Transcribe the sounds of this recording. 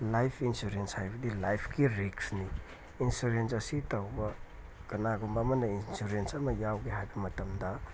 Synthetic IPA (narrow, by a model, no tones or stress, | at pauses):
lajpʰinsuɾenshajbɐdilajpʰkiɾiksniː | nsuɾensɐsitɐwbɐ | kɐnaɡombɐmɐnɐinsuɾensɐmɐjawɡeɦajbɐmɐtɐmdɐ